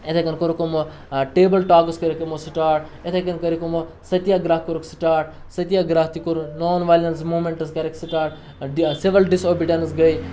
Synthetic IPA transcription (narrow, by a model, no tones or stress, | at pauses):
et̪ʰekɐnkoɾukomo | ʈeːbəlʈaːkɐskɐɾikɐmosʈaːɾʈ̚et̪ʰekɐnkɐɾikomo | sɐt̪jaːɡɾaːɦkoɾuksʈaːɾʈ̚ | sɐt̪jaɡɾaːɦt̪ikoɾunoːnʋaːlʲɐnsmuːmeɳʈɐs̬kɐɾeksiʈaːɾʈ | seʋɾɐlɖisoːbiɖɐnsɡɐj